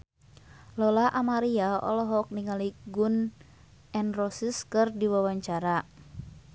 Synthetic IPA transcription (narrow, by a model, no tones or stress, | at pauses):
lɔlaʔamaɾiaɔ̰lɔɦɔk̚niŋaliɡun | ɛnrɔsiskɨrdiwawaɲt͡ʃaɾa